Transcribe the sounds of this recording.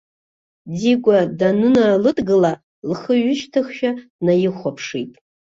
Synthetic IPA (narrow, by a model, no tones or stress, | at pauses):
d͡ziɡʷadanɨnalɨdɡɨla | lχəɥʊʃtʰɨχʃᶣanajɪχʷapʰʂitʼ